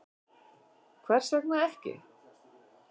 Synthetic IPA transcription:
kʰvɛr̥sɛknaðɛhcɪ̰

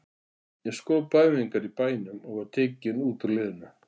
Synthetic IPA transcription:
jɛɣskɔːðpajmɪiŋkaɾipaːjnʏmɔɣvaɾ̥t̪ʰɪːcɪnuːt̪alɪːðʏnʏ

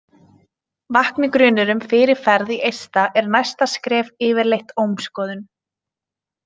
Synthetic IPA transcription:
vahknikɾʏːnʏɾʏmfɪɾɪɾ̥fɛɾðiʔejst̪aʔɛɾnajst̪askɾɛːvɪːvɪɾlejht̪oːwmskɔːðʏn

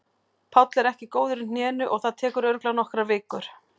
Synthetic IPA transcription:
pʰawt̪lɛɾɛhcɪkoːwðʏɾʏnjɛːnʏʔɔɣθaðt̪ʰɛːkʏɾœɾklawnɔhkɾavɪːkʏɾ̥

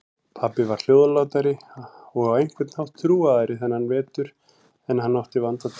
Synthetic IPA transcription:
pʰapɪvaɾ̥l̥joːwðalaːwt̪aɾɪɔɣavejŋ̥kʰvɪɾt̪n̥hawht̪ʰːɾuːaðaɾɪθɛnːhanvɛːt̪ʏɾ̥ | ɛnhanːawht̪ivant̪a

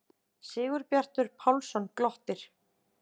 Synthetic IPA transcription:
sɪːɣʏɾpjar̥t̪ʏɾ̥pʰawlsɔnklɔht̪ɪɾ̥

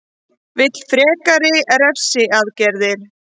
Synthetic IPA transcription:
vɪt̪l̥fɾɛːkaɾɪɛɾɛfsɪaðcɛɾðɪɾ̥

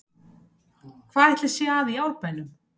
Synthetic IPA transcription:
kʰvaːɾɛht̪lɪ̥sjɛaðijaːwlpajlʏm

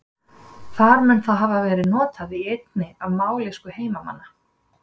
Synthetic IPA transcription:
θaɾmɛnθaðɦavavɛːɾɪðnɔːt̪aðiejt̪̚nɪavmaːwleskʏheːjmama̰nːa

